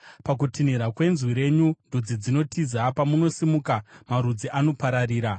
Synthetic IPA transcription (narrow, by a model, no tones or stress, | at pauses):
pak̬utiniɾakwe̞nzwiɾe̞ɲundʱud͡zid͡zino̞tʰizapamuno̞simukamaɾud͡ziʔano̞paɾaɾiːɾa